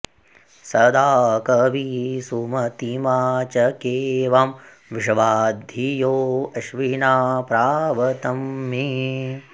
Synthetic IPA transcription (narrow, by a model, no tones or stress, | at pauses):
sɐd̪aːkɐʋisumɐt̪imaːt͡ʃɐkeːʋam | ʋiʂɐʋaːd̪ʱijoːɐʃʋinaːpɾaːʋɐt̪ɐmːi